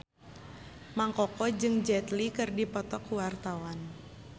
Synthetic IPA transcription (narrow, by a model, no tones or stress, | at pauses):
maŋkɔkɔd͡ʒɨŋd͡ʒɛt̪likɨrdipɔt̪ɔkuwart̪awan